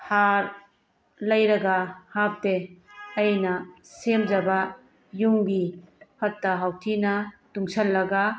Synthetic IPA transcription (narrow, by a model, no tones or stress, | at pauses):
haɾ | lɐjɾɐɡahap̚deɐjnɐsemd͡ʒɐba | juŋbipʰɐtːɐɦawtʰinɐtuŋsɐlːɐɡa